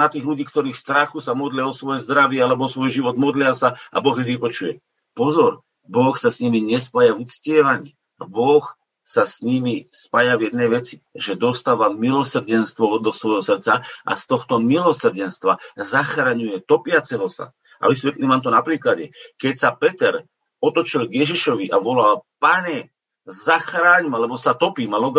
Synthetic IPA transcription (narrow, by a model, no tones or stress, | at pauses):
nat̪iːɣluɟiːkt̪ɔɾiːxst̪ɾaxusamɔd̪lɪaɔsʋɔjɛzd̪ɾaʋɪɛalɛbɔɔsʋɔjʒiʋɔd̪mɔd̪lɪasaa̰bɔɣjɛʋipɔt͡ʃujɛ | pɔzɔɾ | bɔxsasɲimiɲɛspajavut͡scɪɛʋaɲiː | bɔx | sasɲimispajavjɛd̪̚nɛjʋɛt͡si̥ | ʒɛd̪ɔst̪aːʋamilɔsr̩ɟɛnst̪ʋɔɔd̪ɔsʋɔjɦɔsr̩t͡saʔa̰st̪ɔxt̪ɔmilɔsr̩ɟɛnst̪ʋazaxɾaɲujɛt̪ɔpɪat͡sɛɦɔsa̰ | a̰ʋis̬ʋɛt̪limamt̪ɔnapɾiːklaɟɛkɛcsapɛt̪ɛɾ | ɔt̪ɔt͡ʃilɡjɛʒiʃɔʋiʔaʋɔlalpaɲɛ | zaxɾaːɲmalɛbɔsat̪ɔpiːmalɔɡ